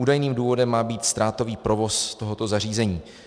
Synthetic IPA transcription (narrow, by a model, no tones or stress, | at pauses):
uːdajniːmduːvo̞dɛmːaːbiːt̪st̪ɾaːt̪o̞viːpɾo̞vo̞st̪o̞ɦot̪o̞zar̝iːzɛɲiː